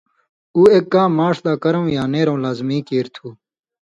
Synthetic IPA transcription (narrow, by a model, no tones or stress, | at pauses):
uːeːkːãːmaːʂd̪aːkɐɾõwjãːneːɾõːlaːzmiːkeːɾt̪ʰuː